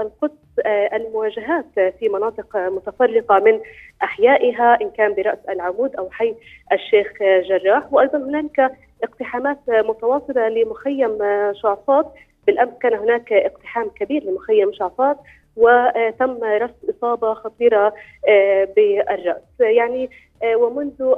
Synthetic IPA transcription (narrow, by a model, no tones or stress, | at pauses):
ʔalqʊd̪sʔalmʊwaːʒaɦaːt̪fimɑnɑːt̪ˤɨqmʊt̪afɑrˤːɪqɑmɪnʔaħjaːʔɪɦaʔɪnkaːmbɪɾɑʔsʔalʕʊmuːd̪ʔawħajːʔaʃːeːxʒɑrˤːɑːħwʔɑjd̪ˤɑnɦʊnaːlɪka | ʔɪqt̪ɪħaːmaːt̪mʊt̪awɑsˤɨlɑlɪmʊxajːamʃʊʕfɑːt̪̚ | bɪlʔamskaːnɦʊnaːkʔɪqt̪ɪ̥ħaːmkabiːɾlɪmʊxajːamʃʊʕfɑːt̪̚ | wɪt̪amːɾˤɑʔsʔɨsˤɑːbɑxɑt̪ˤiːɾˤɑ | bɪʔarˤːɑʔsjaʕni | wɪmʊnðʊ